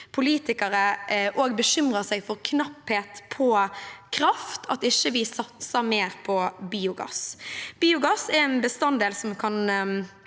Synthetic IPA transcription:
pʰʊliːt̪ɪkəɾəʔoːɡbəɕʏmʁəsɛɪfɔɾkʰnɑpheːt̪pʰɔkʰɾɑft̪ʰɑt̪ɪçːəʋɪsɑt̪səmeːɾpʰɔbiːʊɡɑ̰sb̥iːʊɡɑsɛɾɛnbəst̪ɑnd̪eːlsɔmkʰɑn

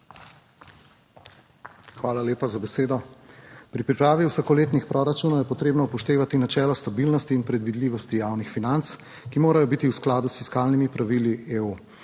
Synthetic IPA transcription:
xʋaːlaleːpazabɛseːd̪ɔpɾipɾipɾaːʋiuwsakɔleːt̪nixpɾɔɾat͡ʃuːnɔwjɛpɔt̪ɾeːbnɔpɔʃt̪eːʋat̪inat͡ʃɛːlɔst̪abilnɔst̪iːnpɾɛd̪ʋid̪liʋɔst̪ijaːwnixfinant̪s | kimoːɾajɔbit̪iwsklaːd̪usfiskaːlnimipɾaʋiliʔeːu

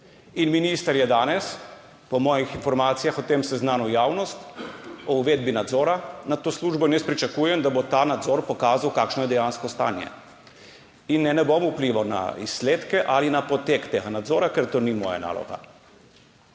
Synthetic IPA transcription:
inminist̪aɾjɛd̪aːnɛs | pɔmɔːjixinfɔɾmaːt̪sijaxɔt̪emsɛznaːnɔjaːwnɔst̪ɔuʋed̪̚binad̪zɔːɾanat̪oːsluːʒbɔnɛspɾit͡ʃakuːjɛmd̪abot̪aːnad̪zɔɾpɔkaːzawkaːkʃnɔjɛd̪ɛjanskɔst̪a̰ːnjɛ̰ | inːɛnɛbomupliʋawna̰ḭsːleːt̪kɛʔalinapɔt̪ekt̪eɡanad̪zɔːɾakɛɾt̪oːnimɔ̰ːja̰na̰ːlɔ̰ɡa̰

